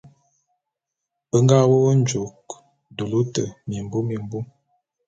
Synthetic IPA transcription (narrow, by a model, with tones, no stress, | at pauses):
bə˦ŋɡa˦bo˦ə˦n̩˦d͡ʒo˨k | do˨lo˦tə˨mi˨m˨bu˦mi˨mbu˦